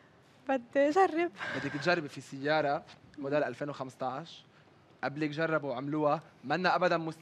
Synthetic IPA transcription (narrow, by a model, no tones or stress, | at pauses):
bɪd̪ːʒarːɪbbɪd̪ːikt̪ʒarˤːɪbfisɪjːɑːɾˤɑmʊd̪aːlʔalfeːnwxamst̪ˤɑʕʃ | ʔablikʒɑrˤːɑbwʕamluːamanːaʔabad̪anmʊs